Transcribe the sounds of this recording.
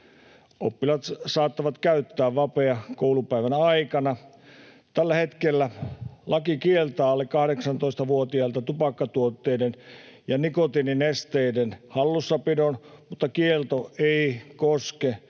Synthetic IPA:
ʔopːilɑt̪sɑːt̪ːɑʋɑt̪kæyt̪ːæːʋʋɑpeɑkoulupæiʋænɑikɑnɑ | t̪ælːæhet̪kelːælɑkikielt̪ɑːlːekkɑhɾeksɑnt̪oist̪ɑʋuot̪iɑlt̪ɑt̪upɑkːɑt̪uot̪ːeidenjɑnikot̪ininest̪eidenhɑlːusːɑpidonmut̪ːɑkielt̪oeikoske

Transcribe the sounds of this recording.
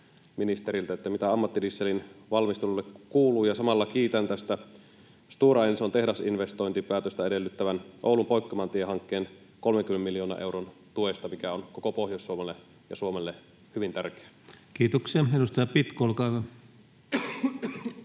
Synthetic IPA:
minist̪eɾilt̪æet̪ːæmit̪æɑmːɑt̪ːidisːelinʋɑlmist̪elulːekkuːluːjɑsɑmɑlːɑkiːt̪ænt̪æst̪æ | st̪uːrɑjnesot̪e̞hdɑsinʋest̪ojnt̪ipæːt̪øst̪æede̞lːyt̪ːæʋænʔoˑulumpoikːɑmɑnt̪ieɦɑŋkːeːn | ko̞lmeŋkymenemiljoːnɑ̰ʔewront̪uest̪ɑmikæonkokopohjosːuomelːe | jɑ̰suomelːe | hyʋint̪ærke̥æ | kiːt̪oksiɑedust̪ɑjɑpit̪kolkɑˑiʋɑ

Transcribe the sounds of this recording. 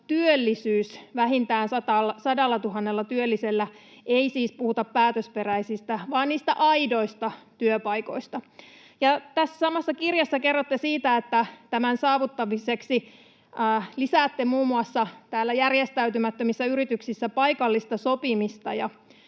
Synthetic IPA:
t̪yølːisyːsʋæɦint̪æːnsɑt̪ɑlːɑsɑdɑlːɑt̪uɦɑnːelːɑt̪yølːiselːæ | eisiːspuhut̪ɑppæːt̪øspe̞ræisist̪æʋɑːnniːst̪æʔɑido̞ist̪ɑt̪yøpɑiko̞̰ist̪ɑ | jɑt̪æsːsɑmɑsːɑkirjɑsːɑke̞rːot̪ːesiːt̪æet̪ːæt̪æmænsɑːʋut̪ːɑʋiseksi | æːlisæːt̪ːemuːmuɑsːɑt̪æːlːæjærjest̪æyt̪ymæt̪ːømisːæyɾit̪yksisːæpɑikɑlːist̪ɑsopimist̪ɑjɑ

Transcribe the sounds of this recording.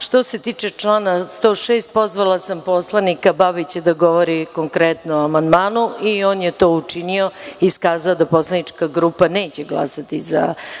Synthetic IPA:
ʃt̪o̞se̞t̪iːt͡ʂet͡ʂlˠaːnast̪o̞ːʂeːst̪̚po̞zʋalˠasampo̞slˠanikabaβit͡ɕed̪aɡo̞ʋo̞ɾikoŋkɾɛt̪noamand̪maːnuio̞ːnjet̪oːut͡ʂinio̞iskaːzaod̪apo̞slˠanit͡ʂkaɡɾupane̞ːt͡ɕeɡlˠa̰sat̪iza̰

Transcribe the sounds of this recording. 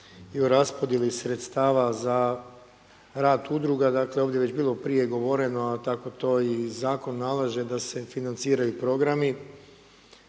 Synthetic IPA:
iuɾaspo̞d̪jelisɾe̞t̪st̪aːʋaza | ɾaːd̪ud̪ɾuɡad̪aːkle̞oːʋd̪je̞ʋe̞t͡ɕbiːlˠo̞pɾije̞ɡo̞ʋo̞ɾe̞no̞at̪ako̞t̪o̞ːizaːko̞nːalaʒe̞d̪ase̞finant̪siːɾajupɾo̞ɡɾami

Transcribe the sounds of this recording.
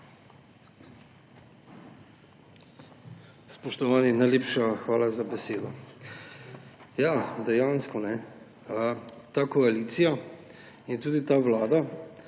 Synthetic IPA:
spɔʃt̪ɔʋaːninajleːpʃaxʋaːlazabɛseːd̪ɔ | jad̪ɛjaːnskɔnɛ | ət̪aːkɔaliːt̪sija | jɛt̪uːd̪it̪aːʋlaːd̪a

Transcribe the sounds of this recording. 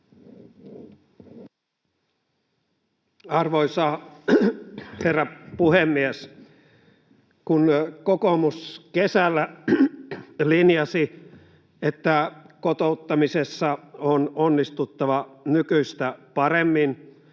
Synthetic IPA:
ɑrʋojsɑː | herːɑpuhemːies | kunkokomuskesælːæ | linjɑsi | et̪ːækot̪out̪ːɑmisesːɑononːist̪ut̪ːɑʋɑnykyst̪æpɑɾemːin

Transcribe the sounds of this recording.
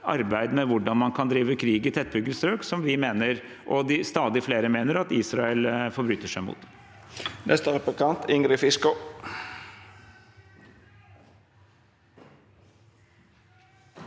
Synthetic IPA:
ɑ̰ɾbæɪd̪mɛʋʊɖɑnmɑnkʰɑnd̪ɾiːʋəkʰɾiːɡɪt̪ʰɛt̪̚bʏɡəlsɾøːksɔmʋɪmeːnəɾʔɔd̪ɪst̪ɑːd̪ɪfleːɾəmeːnəɾɑt̪iːsɾɑɛlfɔɾbɾʉːt̪ːəʂæɪmṵːt̪ | nʔɛ̰st̪əɾɛpkɑnt̪ɪŋɡɾɪfɪskʊ

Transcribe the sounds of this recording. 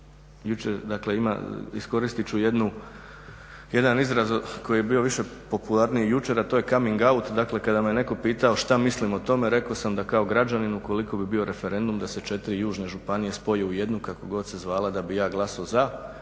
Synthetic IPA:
jut͡ʃeɾd̪akle̞ima̰isko̞ɾist̪it͡ʃuje̞d̪nu | je̞d̪anizɾazoko̞jijebiːo̞ʋiʃe̞po̞pulˠaɾnijejut͡ʃe̞ɾat̪oːje̞kamiŋɡaut̪d̪akle̞kad̪amejene̞ko̞piːt̪ao̞ʃt̪amislimo̞t̪o̞me̞ɾe̞ko̞samd̪akao̞ɡɾad͡ʒaninuko̞liko̞bibio̞ɾʔe̞fe̞ɾe̞nd̪umd̪ase̞t͡ʃe̞t̪iɾijuːʒne̞ʒupanije̞spo̞jeuje̞d̪nukako̞ɡo̞d̪sezʋaːlˠad̪abijaːɡlˠasaoza

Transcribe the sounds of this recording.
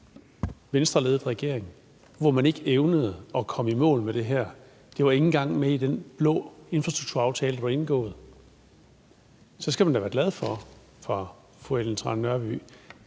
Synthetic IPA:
ʋensd̥ʁɐle̝ːð̩ˠʁɛɡ̥e̝ɐ̰eŋ | ʋɒmæne̝ɡ̥əeʊnəð̞̩ˠəɒ̽kʰɒ̽mimɔ̰̽ːlmed̥e̝ɦæɐ̰ | d̥e̝ʋɑ̈e̝ŋn̩ɡ̥ɑ̈ŋ̰meid̥enb̥lɔ̽ːe̝nfʁɑsd̥ʁuɡ̥̚t͡sʰuɐɑ̈ʊt͡sʰɛːlə̥dɑ̥̈lee̝nɡ̥ɔ̰̽ːð̞̩ˠ | sɒ̽sɡ̥æmænd̥æʋæːɐɡ̥læð̞ˠfɒ | fʁɑ̈ | foeln̩t͡sʰʁɑ̈nnːɶɐb̥y̰

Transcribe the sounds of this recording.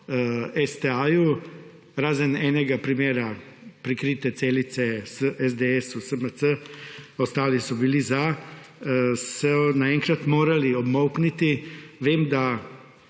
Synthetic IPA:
ɛst̪eaju | ɾaːzənɛːnɛɡapɾimeːɾapɾikɾiːt̪ɛt̪seːlit̪sɛsəʔɛzd̪eɛsusəməsəɔst̪aːlisɔbiliza | sɔnaɛŋkɾat̪moːɾaliɔbmɔwknit̪iʋeːmd̪a

